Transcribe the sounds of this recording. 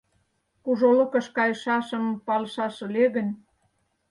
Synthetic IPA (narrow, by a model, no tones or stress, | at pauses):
kuʒolɤkɤ̆ʃkɑjəʃɑʃɤ̆mpɑlʃɑʃɤ̆leɣə̆nʲ